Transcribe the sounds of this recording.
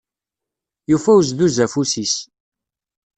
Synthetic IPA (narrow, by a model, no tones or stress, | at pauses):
jufæwz̬ðuzæfusis